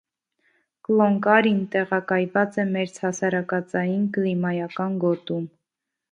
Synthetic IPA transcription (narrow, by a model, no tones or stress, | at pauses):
klɔŋkɑɾint̪ɛʁɑkɑjvɑt͡sɛmɛɾt͡sʰhɑsɑɾɑkɑt͡sɑjinklimɑjɑkɑnɡɔt̪um